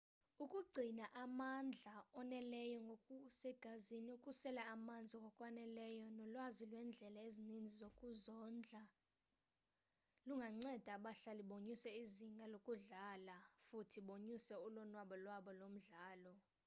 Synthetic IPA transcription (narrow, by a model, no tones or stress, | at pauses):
ukʼuɡ͡ǀʱinaʔamand͡ɮʱaɔnɛlɛjɔŋɡʱokʼusɛɡ̥ʱaziniukʼusɛlaːmand͡zʱikʼɔkʼwanɛlɛjɔnɔlwazilwɛnd͡ɮʱɛlaezinind͡zʱizokʼuzɔnd͡ɮʱa | luŋɡʱaŋ͡ǀɛd̥ʱaɓaɬaliɓoɲisɛiziŋɡʱalokʼuɮalafutʰiɓoɲisɛulɔnwaɓɔlwaɓɔlom̩ɮaːlɔ